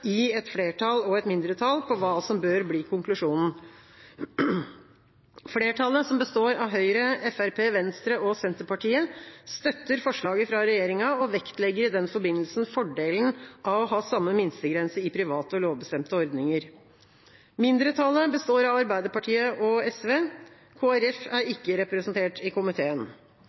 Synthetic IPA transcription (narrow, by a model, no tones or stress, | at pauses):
ɪɛt̪fɽeːʈʰɑlɔɛt̪mɪnd̪ɾət̪ʰɑlpʰɔʋɑːsɔmbøːɾbliːkʰʊŋklʉʂuːnn̩ | fleːʈʰɑləsɔmbəst̪oːɾɑʋɦœʏɾəɛfæɾpʰeːʋɛnst̪ɾəʔɔsɛnt̪əpɑʈiːəst̪œt̪ːəɾfɔʂɭɑːɡəfɾɑɾɛjeːɾɪŋɑɔʋɛkt̪lɛɡːəɾɪd̪ɛnfɔbɪnːəlsn̩fɔɖeːln̩ʔɑʋɔɦɑːsɑmːəmɪnst̪əɡɾɛnsəɾɪpʰɾɪʋɑːt̪əɔloːʋbəst̪ɛmt̪əɔɾd̪nɪŋəɾ | mɪnd̪ɾət̪ʰɑləbəst̪oːɾɑʋɑɾbæɪd̪əpɑʈʰiːəʔɔɛsʋeː | kʰoːæɾɛfæɾɪkːəɾɛpɾɛsənt̪ʰeːʈɪkʰʊmɪt̪ʰeːən